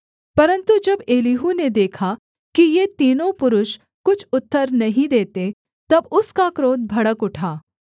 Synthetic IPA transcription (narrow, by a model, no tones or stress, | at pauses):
pɐɾə̃nt̪ud͡ʒɐbeːliɦuned̪eːkʰa | kijet̪iːnõpʊɾʊʃ | kʊt͡ʃʰʊt̪ːəɾnɐɦĩd̪eːt̪e | t̪ɐbʊskakɾoːd̪̚bʱɐɽəkʊʈʰaː